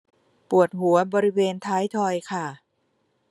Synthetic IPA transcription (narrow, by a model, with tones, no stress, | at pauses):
pu˨˩ət̪̚ɦu˩˦ɐbɔː˧ɾi˦˥weː˧nt̪ʰaː˦˥jt̪ʰɔː˧jkʰa˥˩